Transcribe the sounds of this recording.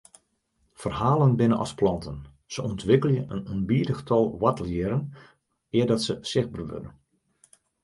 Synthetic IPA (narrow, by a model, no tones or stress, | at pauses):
fərhaːlˠənbɪnənʔɔ̰splɑntʰən | səɔntʋɪkəlˠjəʔənonbiːdəxtʰɔlˠwatlɪəɾən | ɪərdɔtsəsɪxbərʋø̰də̰n